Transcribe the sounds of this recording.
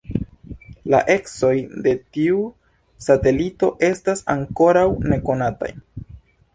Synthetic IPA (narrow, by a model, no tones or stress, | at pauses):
la̰ʔe̞kso̞jde̞tiu | sate̞lito̞ʔe̞stasaŋko̞ɾawne̞ko̞nata̰j